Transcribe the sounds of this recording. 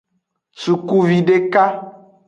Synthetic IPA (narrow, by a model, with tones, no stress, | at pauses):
su˨ku˦vi˨ɖe˦ka˦